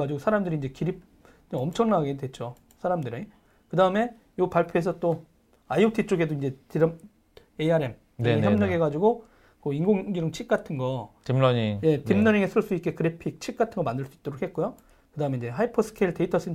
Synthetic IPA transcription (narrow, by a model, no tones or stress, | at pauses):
ad͡ʑiɡosʰaɾamdɯɾind͡ʑekiɾip̚ | ʌmt͡ɕʰʌŋnaɡedwe̞t͡ɕ͈o | sʰaɾamdɯɾi | kɯdaɯme̞ | jopaɭpʰjoesʰʌt͈o | aijotʰit͡ɕ͈oɡe̞doind͡ʑetiɾʌm | eaɾe̞m | nejʌmɲʌɡe̞ɡad͡ʑiɡo | kɯinɡoŋɡiɾɯŋt͡ɕʰik̚k͈atʰɯnɡʌimɲije̞timnʌɲiŋesʰɯɭs͈uik͈e̞kɯɾepʰik̚t͡ɕʰik̚k͈atʰɯnɡʌmandɯɭs͈ui̥t͈ʌɾokʰe̞t̚k͈ujo | kɯdaɯmeind͡ʑe̞ɦaipʰosʰɯ̥kʰeɭte̞itʰʌs͈ɯ